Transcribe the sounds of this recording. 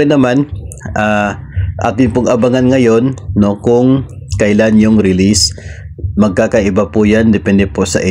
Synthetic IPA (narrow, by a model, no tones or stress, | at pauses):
ɪnɐmanʔa | ʔa̰ːt̪ɪnpʊŋʔɐbaŋanŋɐjo̞nːo̞kʊŋ | kɐʔɪlanjʊŋɾɪlis | mɐɡ̚kaːkɐʔɪbapʊjand̪ɛpɛnd̪ɛposɐ̰ʔɪ